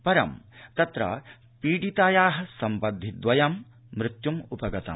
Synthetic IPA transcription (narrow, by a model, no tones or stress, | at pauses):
pɐɾɐ̰mt̪ɐt̪ɾɐ̰ | piːɖit̪aːjaːɦɐsɐmpɐd̪ʱːid̪ʋɐjɐmː | ɾɪt̪jumupɐɡɐt̪ɐ̰m